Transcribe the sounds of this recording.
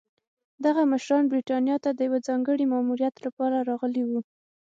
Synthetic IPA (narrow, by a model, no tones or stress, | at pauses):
d̪aɣaməʃɾɑnbɾiʈɑnjɑt̪ad̪əjawəd͡zɑŋɡəɽimɑmuɾjat̪lapɑɾaɾɑɣəliwu